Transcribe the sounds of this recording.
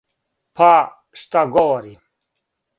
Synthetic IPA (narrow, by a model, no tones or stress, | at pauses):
pʰa | ʂt̪aɡowɐɾi